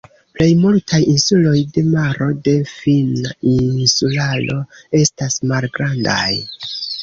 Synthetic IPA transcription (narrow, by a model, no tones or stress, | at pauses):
ple̞jmultʰajinsulo̞jde̞maɾo̞de̞finainsulalo̞e̞stasmalɡɾanda̰j